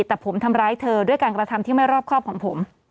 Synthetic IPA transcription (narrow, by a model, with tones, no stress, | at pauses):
t̪ɛː˨˩pʰo˩˦mt̪ʰa˧mɾaː˦˥jt̪ʰɤː˧du˥˩əjkaː˧nkɾa˧t̪ʰa˧mt̪iː˥˩ma˥˩jɾɔː˥˩p̚kʰɔː˥˩p̚kʰɔː˩˦ŋpʰo˩˦m